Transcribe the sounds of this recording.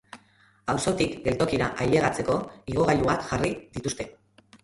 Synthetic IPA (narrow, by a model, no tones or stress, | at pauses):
awso̞t̪ikɡe̞lt̪o̞kiɾaʔaje̞ɣ̞at͡se̞ko̞iɣ̞o̞ɣaʎuβakxʝariðit̪ust̪e̞